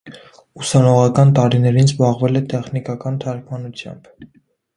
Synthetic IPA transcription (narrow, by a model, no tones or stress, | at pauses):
usɑnɔʁɑkɑnt̪ɑɾinɛɾinzbɑʁvɛlɛt̪ɛχnikɑkɑnt̪ʰɑɾkʰmɑnut͡sʰjɑ̰mb̥